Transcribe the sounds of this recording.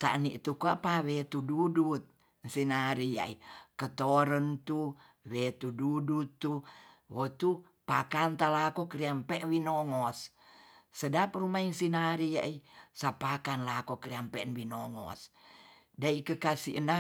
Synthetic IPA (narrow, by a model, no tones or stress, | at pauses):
t̪a̰ʔnḭʔt̪ukoapawet̪ududut̪̚ | nsinaɾija̰ikət̪oɾənt̪u | wet̪ududut̪ːuwot̪u | pakant̪alakokəɾiampɛwinoŋɔs | sədap̚rumainsinaɾija̰ʔisapakanlakokɾiampɛnwinoŋɔ̰s | daikəkasḭʔəna